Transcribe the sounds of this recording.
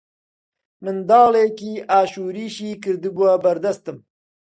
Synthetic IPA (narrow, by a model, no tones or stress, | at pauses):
mɨnd̪ɑːleːkiːʔaːʃuːɾiːʃiːkɨɾd̪ɨbuabɐɾd̪ɐst̪ɨm